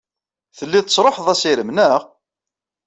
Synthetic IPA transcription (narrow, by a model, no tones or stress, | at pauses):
θəlːiðt̪əsˤɾˤoħðˤæsiɾəmnəʁ